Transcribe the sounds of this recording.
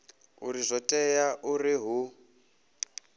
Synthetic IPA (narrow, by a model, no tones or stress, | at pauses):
ṵɾizɔtʼɛjaʔuriɦu